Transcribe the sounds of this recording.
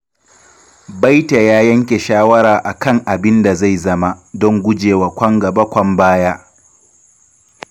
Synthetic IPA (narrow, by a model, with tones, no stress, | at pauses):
ba˦jta˨jaː˦jɐ˦ŋkʲe˨ʃaː˦wɐ˦ɾaː˨ʔa˨kɐ˦ŋʔa˨bɪ˦nda˨za˦˨jzɐ˦ma˦dɔ˦ŋɡʷʊ˦d͡ʒeː˨wa˨kʷɐ˦ŋɡɐ˨bɐ˦kʷɐ˦mbaː˦jaː˦